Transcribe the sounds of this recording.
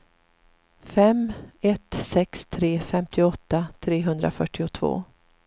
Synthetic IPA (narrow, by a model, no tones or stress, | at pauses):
fɛmɛt̪sɛkst̪ʰɾeːfɛmt̪ʰɪɔt̪ːat̪ʰɾeːɦɵnd̪ɾa̰fœʈːɪʊt̪ʰvo̰ː